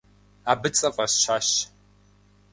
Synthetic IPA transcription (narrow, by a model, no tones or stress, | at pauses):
aːbɨt͡sʼɐfʼɐsʃaːʃ